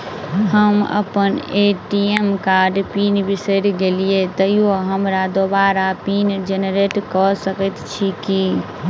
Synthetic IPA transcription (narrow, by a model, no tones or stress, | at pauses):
ɦəmə̰pəneʈiemkaɾɖpinbisəɾɡelijet̪əioɦəmɾad̪obaɾapind͡ʒeneɾeʈkɔsəkət̪t͡ʃʰiki